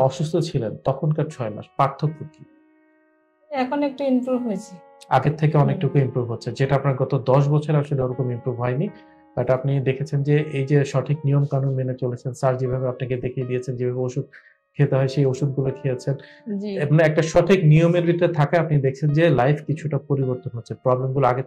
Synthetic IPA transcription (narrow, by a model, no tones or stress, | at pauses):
ɔʃust̪ʰot͡ɕʰilent̪ɔkʰonkaɾt͡ɕʰɔema̰ʃpɾaɾt̪ʰːok̚puk̪i | ɛkʰonek̚ʈuimpɾubɦojet͡ɕʰe | a̰ɡeɾt̪ʰekeɔnek̚ʈukuimpɾubʱɦotːɕʰed͡ʑeʈaapnaɾɡɔt̪od̪ɔʃ̬bɔt͡ɕʰoɾaʃoleoɾokomimpɾubʱɦɔeni | b̪aʈapnid̪ekʰet͡ɕʰend͡ʑeʔejd͡ʑeʃɔʈʰiknijomkanunmenet͡ɕolet͡ɕʰensaɾd͡ʑebʱabeap̚nak̬ed̪ekʰied̪iet͡ɕʰend͡ʑebʱabeoʃud̪̚ | kʰet̪eɦɔeʃejoʃud̪̚ɡulokʰeet͡ɕʰen | d͡ʑieboŋɛk̚ʈaʃɔʈʰiknijomeɾbʱit̪ːat̪ʰakaeapnid̪ekʰt͡ɕʰend͡ʑelajfʰkit͡ɕʰuʈapoɾiboɾt̪onɦotːɕʰepɾɔblemɡuloaɡe